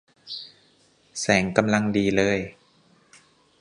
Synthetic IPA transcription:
sɛː˩˦ŋka˧mla˧ŋdiː˧lɤː˧˩j

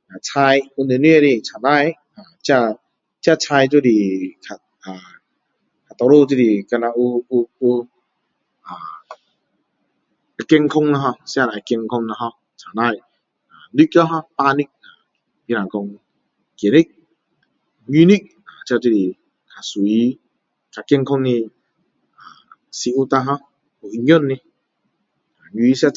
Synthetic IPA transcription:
a˨t͡sʰa˧ju˧ne˧˨ni˦˧˦e˧ɾi˧t͡sʰa˨˩na˧˨j | ã˨˩t͡ɕja˧ | t͡ɕja˥˧t͡sʰa˧jt͡ɕ̬wi˦˧˨li˧˩kʰa˨t̚ | a˨˩ | kʰa˨˩t̪ɔ˧lo˥˧˨t͡ɕ̬i˧˨li˨˧ka˧na˧u˧u˧u˧ | a˨˩ | a˧kɛ˧ŋkʰɔ˧ŋna˧ɦɔ˧sja˧la˨˩jkɛ˧ŋkʰɔ˧ŋna˧ɦɔ˧ | t͡sʰa˨˩na˧˩j | a˨li˦kja˦ɦɔ̃˧pa˧ni˦˨k̚a˨˩ | i˧nã˨kɔ˧ŋ | ke˨ni˦k̚ | ɲu˧ni˦k̚ | a˨t͡ɕja˧t̪i˦˧ti˨ | kʰa˨swu˨i˦ | ka˨˩ki˧ŋkʰɔ˦ŋni˧ | a˨˩ | si˧u˦t̪a˧ɦɔ˧ | u˨i˧ɲjɔ˦˨nːi˧ | a˨ɲi˧i˧sja˧

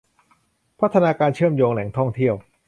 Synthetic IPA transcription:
pʰa˦˥t̪ʰːa˧naː˧kaː˧nt͡ɕʰɯ˥˩əmjoː˧ŋlɛ˩˦ŋt̪ʰɔ˥˩ŋt̪ʰi˥˩əw

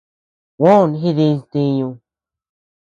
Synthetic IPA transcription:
wõ˦˨nɦi˦˧ðĩ˧nt̪ĩ˧ɲũ˧

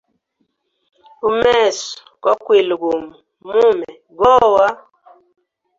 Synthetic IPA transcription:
u˦mɛɛ˦˨s | kɔ˦kwe˨lɡu˨m˨ | mu˦mɛ˨ | ɡɔ˦wa˦

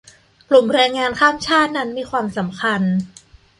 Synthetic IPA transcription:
klu˨˩mɾɛː˧ŋŋaː˧nkʰaː˥˩mt͡ɕʰaː˥˩t̪̚na˦˥nmiː˧kʰwaː˧msa˩˦mkʰa˧n

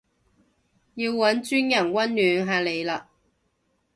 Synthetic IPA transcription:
ji˧wːɐ˨˥nt͡ʃyː˥njɐ˨˩nwɐ˥nlyː˨˧nɦaː˨˧le˨˧jlaː˧

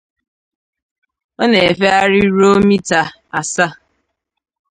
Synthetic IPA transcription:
ɔ˦ne˨e˨fe˦a˦ɾɪ˦ɾo˦mi˦ta˨ | a˨sa˦

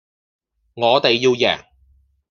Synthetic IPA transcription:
ŋɔː˨˧t̪e˨jːiː˧wjɛ̰ː˨˩ŋ

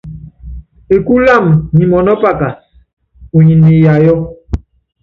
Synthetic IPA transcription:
e˨ku˦la˦˨mɲi˨mɔ˨nɔ˦pa˦˨ka˨ | u˨ɲi˨ni˨ja˨jɔ˦

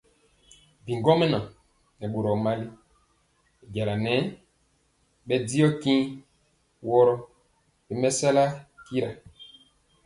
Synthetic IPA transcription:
bi˨ŋɡɔ˦mɛ˦nɔ˨ | nɛ˨ɓo˨ɾɔ˨ma˦li˦˨ | ɟa˨la˨nɛ˦ | ɓɛ˦di˦ɔ˦kĩ˦ | wɔ˦ɾɔ˦ | bɛ˨mɛ˦sɛ˦la˦ki˦ɾa˨

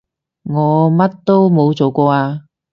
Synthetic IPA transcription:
ŋɔː˨˧mɐ˥t̚t̪o˥wmo˨˧wt͡so˨wkʷɔː˧aː˧

